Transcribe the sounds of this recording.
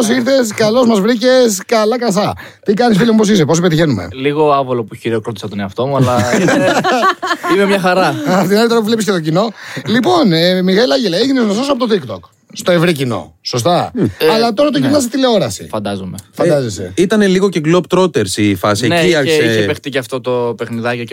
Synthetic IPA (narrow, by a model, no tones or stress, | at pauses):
osiɾθe̞skɐlo̞zmɐzvɾice̞skɐlɐkɐsɐ | t̪ikɐnisfilɐmupos̬is̬eposipeðçe̞numḛliɣoɐvolopuçiɾokɾot̪isɐt̪oneɐft̪o̞muɐlɐ | imemɲɐxɐɾɐt̪inɐlit̪oɾɐpuvlepiscet̪o̞cino̞lipo̞nemiɣelɐɲɟeleʝineznososɐpot̪ot̪ikt̪o̞̰k | st̪o̞e̞vɾicino̞̰so̞s̬t̪ɐɐlɐt̪o̞ɾɐt̪oʝinɐs̬it̪ile̞oɾɐsḭfɐnd̪ɐzomefɐnd̪ɐzesḛit̪ɐne̞liɣoce̞ɡlobt̪ɾot̪eɾsifɐsieniɐseiçepext̪icɐft̪o̞t̪o̞pexniðɐco